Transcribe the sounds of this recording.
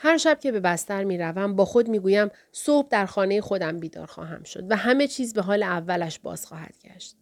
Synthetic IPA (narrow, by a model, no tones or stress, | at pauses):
hæɾʃæb̥̚cʰe̞be̞bæst̪æɾmiːɾævæmbɒːxo̞d̪miːɡuːjæm | sohb̚d̪æɾxɒːne̞jexo̞d̪æmbiːd̪ɒ̰ːɾxɒ̰ːɦæ̰mʃo̞̰d̪væɦæme̞t͡ʃʰiːzbe̞ɦɒːleævːælæʃbɒ̰ːz̥xɒːɦæ̰d̪̥ɟæ̰ʃt̪̚